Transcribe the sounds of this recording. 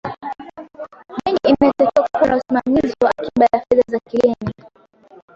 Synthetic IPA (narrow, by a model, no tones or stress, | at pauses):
miŋɡiimɛtɔkɛakkuanausimamiziwaakiɓajafɛðazakilɛni